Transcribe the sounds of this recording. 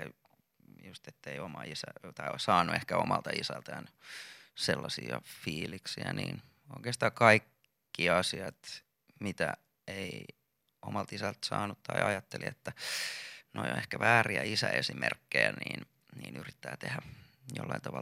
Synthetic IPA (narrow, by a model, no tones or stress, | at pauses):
just̪et̪ːeiomɑisæt̪ɑiosɑːnːˑuehkæomɑlt̪ɑisælt̪æn | selːɑsiɑfiːliksiæniːn | oikeːst̪ɑːkɑikː | iɑsiɑt̪ | mit̪æ | ei | omɑlt̪isælt̪sɑːnut̪t̪ɑiɑjɑt̪ːeliet̪ːæ | nojo̰ehkæʋæːriæisæesimerkːejæniːn | niːnyrit̪ːæːt̪ehæ | jo̰lːɑint̪ɑʋɑ